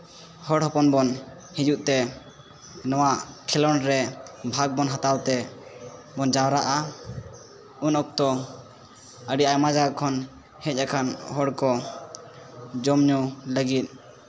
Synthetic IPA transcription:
hɔɽɦɔpɔnbɔn | hid͡ʒuʔ̪̚ˀt̪ɛ | nɔwaʔkʰɛlɔnɾɛbʱaɡ̚bɔnɦat̪awt̪ɛ | bɔnd͡ʒawɾaʔa | unɔk̚t̪ɔ | əɖiajmad͡ʒakʰɔn | hɛc̚akʰanɦɔɽkɔ | d͡ʒɔmɲuləɡit̪̚

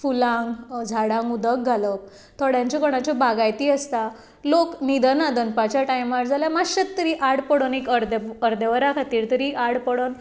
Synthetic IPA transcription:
fulãŋɡd͡zʱaɽãŋɡud̪ək̚ɡʱalək | t̪ɔɽjãɲt͡ɕɔkɔɽ̃at͡ɕɔbaɡajt̪iːəst̪a | loknid̪ənad̪ənpat͡ɕjaʈajmaɾd͡zʱaljamaɕət̪t̪ːəɾiʔaɽpəɽonekəɾd̪əəɾd̪əʋəɾakʰat̪iːɾt̪əɾiʔaɽpəɽon

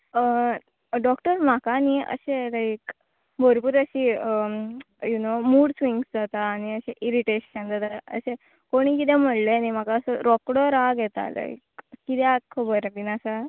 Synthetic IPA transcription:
ə | ɖɔkʈəɾm̤akaniːə̰ɕelajik | bʱəɾpuːɾəɕiːə | junomuːɽsʋiŋɡsd͡zat̪aːɽ̃iəɕeʔiɾiʈeɕənd͡zat̪aə̰ɕe | koɽ̃iːk̬it̪ɛ̃m̤əɽleanim̤akaəsəɾɔkɽɔɾaɡet̪a̰la̰ikkit̪jat̪̚kʰəbəɾapinasa

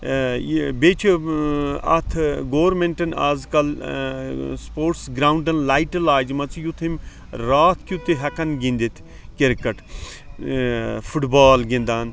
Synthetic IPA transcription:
beːt͡ʃʰi | ɐ̰t̪ʰɡoːɾmeɳʈɐna̰ːzkɐl | spoːɾʈsɡɾaːuɳɖɐnlaːjʈɐlaːd͡ʒmɐt͡sjut̪ʰim | ɾaːt̪ʰkut̪iɦɐkɐnɡĩnd̪it̪ʰ | keɾkɐʈ | fʰuʈbaːlɡĩnd̪aːn

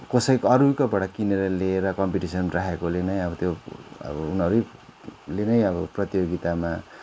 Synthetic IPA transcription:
kosʌikʌɾukabʌɽakineɾʌleɾʌkʌmpiʈisʌnraɦekolenʌjʌbʌt̪joʌ̰bʌunʌɾujlenʌjʌbʌprʌt̪ijoɡit̪ama

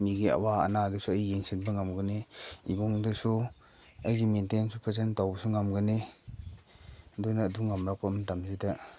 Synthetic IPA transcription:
miɡia̰waa̰nadusuajijeŋsʰinbaŋamɡɯniibɔŋdɯsu | ajɡimentensʰupʰazentawbɐsuŋamɡɯni | dujnaːduŋamɾak̚pamantamzida

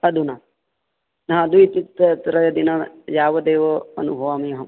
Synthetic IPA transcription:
ɐd̪una | ɦãːd̪uit̪it̪ːt̪ɾɐjɐd̪inɐjaːʋɐd̪eːʋɐɐ̰nubʱɐʋaːmijɐɦɐm

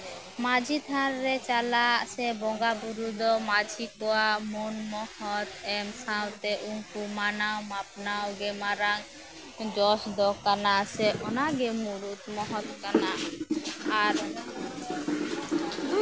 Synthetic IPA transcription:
mad͡ʒʱit̪ʰanːɛt͡ʃalaʔsɛbɔŋɡabuɾud̪ɔmad͡ʒʱikɔwamunmɔhɔt̪ɛmsawt̪ɛʔuɲkumanawmapnawɡɛmaɾaŋ | d͡ʒɔsd̪ɔkanasɛʔɔnaɡɛmuɾut̪mɔɦɔt̪kana | aɾ

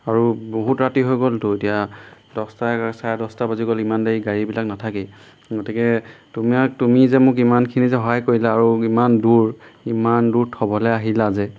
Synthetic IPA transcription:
aɹuboɦutɹatiɦojɡoltʊetijadɔstasajadɔstabaziɡɔlimandeɹiɡaɹibilaknatʰakɛ | ɡotikɛtumiak̚tumizɛmʊk̬imankʰinizɛɦɔɦajkoɹilaːɹuimanduɹimanduɹtʰɔbɔlɛaɦilazɛ

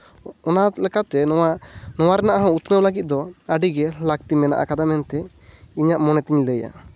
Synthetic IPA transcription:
ɔnalɛkat̪ɛɔwanɔwaɾɛnaʔaɦɔ̃ut̪nəwlaɡit̪̚ˀd̪ɔaɖiɡɛlak̚t̪imɛna̰ʔa̰kad̪amɛnt̪ɛ | iɲaʔmɔnɛt̪iɲləja̰

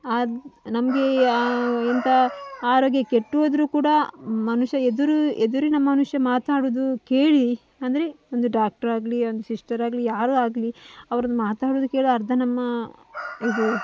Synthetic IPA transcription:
anɐmɐɡe̞ | ent̪ɐaːɾo̞ːɡjɐkeʈːuʋoːd̪ɐɾuːkuːɽɐmɐnuʃjɐed̪uɾued̪uɾinɐmːɐmɐnuʂjɐmaːt̪aːɽuːd̪uke̞ːɭi | ɐnd̪ɐɾe̞ | o̞nd̪uɖaːk̚ʈɐɾaːɡlio̞nd̪usiʂʈɐɾaːɡlijaːɾuaːɡliɐʋɐɾɐnːumaːt̪aːɽuːd̪uke̞ːɭiɐɾd̪ʱɐnɐmːɐ | id̪u

